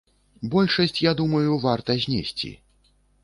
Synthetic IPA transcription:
bɔlʲʂɐsʲt͡sʲjad̪umɐjuvart̪ɐzʲnʲɛsʲt͡sʲḭ

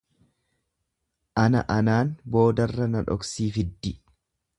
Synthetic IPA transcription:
ʔɐnɐ̰ʔɐnaːnbo̞ːd̪ɐrːɐnɐᶑɔ̰ksiːfɪd̪ːɪ

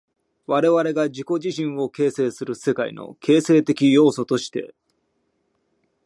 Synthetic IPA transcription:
βaɾe̞βaɾe̞ɡad͡ʑiko̞ʑiɕĩɰ̃o̞ke̞ːse̞ːsɨɾɯ̟se̞kaḭno̞̰kʰe̞ːse̞ːt̪e̞kʲijo̞ːso̞t̪o̞ɕi̥t̪e̞

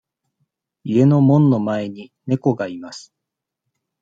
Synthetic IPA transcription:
ie̞no̞mõ̞nːo̞mae̞ɲ̟ine̞ko̞ɡaimasɨ̥

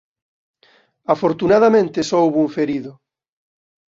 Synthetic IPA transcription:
afoɾt̪unaðamẽnt̪esowβuɱfeɾiðʊ

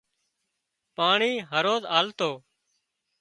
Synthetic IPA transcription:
paːɳiːɦəɾoːzaːlt̪oː

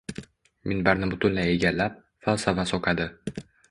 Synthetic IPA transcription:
mɪnbaɾnɪbʊt̪ʰʊnlaje̞ɡʲalːap̚ | falˠsavasɒqʰad̪ɪ

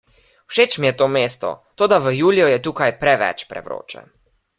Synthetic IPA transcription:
wʃeːt͡ʃmijɛt̪oːmeːst̪ɔ̰t̪oːd̪aʋəjuːlijɔjɛt̪uːkajpɾɛʋɛ̰t͡ʃpɾɛ̰ʋɾo̰ːt͡ʃɛ̰

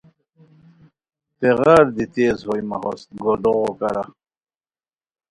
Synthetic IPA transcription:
t̪eɣaːɾd̪it̪eːzhojma̰ɦost̪̚ɡoɖ̪oʁokaɾa

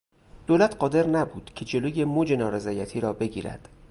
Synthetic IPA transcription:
d̪̥oːlæt̪ʰɢɒːd̪e̞ɾnæbuːd̪̥cʰe̞d͡ʒe̞loːje̞mod͡ʒe̞nɒːɾe̞zɒːjæt̪ʰiːɾɒːbe̞ɟiːɾæ̰d̪̥

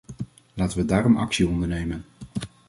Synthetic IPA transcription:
laːtənʋədaːɾɔmɑ̰ksiɔndəɹnejmən

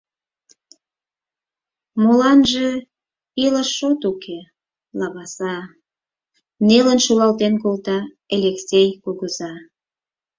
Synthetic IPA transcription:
molɑnʒe | iləʃːot̪ukʰe | lɑβɑsɑ | nelənʃulɑlt̪enkolt̪ɑ | elʲeksʲejkoɣəzɑ

